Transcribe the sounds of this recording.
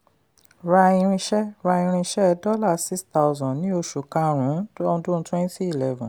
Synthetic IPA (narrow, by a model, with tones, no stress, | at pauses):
ɾa˧ĩ˧ɾ̃ĩ˧ʃɛ˦ɾa˧ĩ˧ɾ̃ĩ˧ʃɛ˦˧dɔ˦la˦˨si˦sta˧wzɔ̃˨nĩ˨˦o˧ʃu˨kã˧ɾ̃ũ˨˦ɔ̃˧dũ˦n̩˦twɛ̃˦n˦ti˦i˨lɛ˧vɔ̃˨